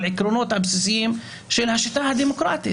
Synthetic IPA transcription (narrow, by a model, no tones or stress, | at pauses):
lʔɪkɾonoːt̪ʔabsisɪjiːm | ʃɪlhaʃɪt̪aːhad̪imokɾɑ̰ːt̪ḭ